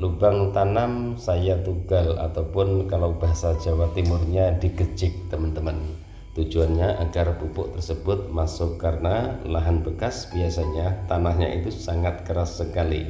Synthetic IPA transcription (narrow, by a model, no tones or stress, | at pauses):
lubaŋt̪anamsajat̪uɡala̰t̪awpʊnkalawbaɦasad͡ʒawat̪imʊrɲadiɡəd͡ʒɪk̚t̪əmənt̪əmən | t̪ud͡ʒuanɲaʔaɡarbupʊʔt̪ərsəbʊt̪̚masʊkːaɾənalaɦanbəkasbiasaɲat̪anahɲa̰ʔḭt̪usaŋat̪̚kəɾasːəkalḭ